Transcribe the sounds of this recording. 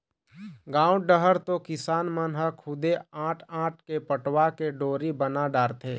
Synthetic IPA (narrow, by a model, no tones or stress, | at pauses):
ɡãːʊɖəɦəɾt̪okɪsaːnmənɦəkʰʊd̪eãːʈʰãːʈ̚ʰkepəʈwakeɖoːɾibənaɖaːɾt̪ʰeː